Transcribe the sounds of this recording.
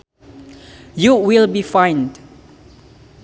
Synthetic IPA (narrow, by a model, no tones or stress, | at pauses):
juwilbifãjnd